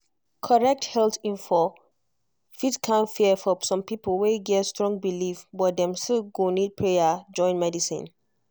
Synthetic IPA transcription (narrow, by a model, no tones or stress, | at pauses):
kʰɔɹɛk̚thɛltĩnfɔ | fitkʰãnfiəfɔsɔ̃mpipolweɡɛtstɹɔ̃ŋɡ̚bilifbɔt̚dɛ̃mstiɡonid̚pʰɹejad͡ʒɔ̃ɪ̃nmɛdisḭ̃n